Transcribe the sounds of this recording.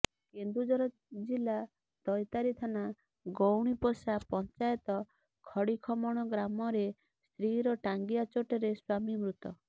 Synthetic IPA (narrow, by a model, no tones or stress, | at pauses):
kend̪ud͡ʒɔɾɔ | d͡ʒila | t̪ɔjt̪aɾit̪ʰana | ɡowɽ̃iposapɔnt͡ʃajɔt̪ɔ | kʰɔɽikʰɔmɔɽ̃ɔɡɾamɔɾe | st̪ɾiɾɔʈaŋɡiat͡ʃoʈɔɾeswamimɾut̪ɔ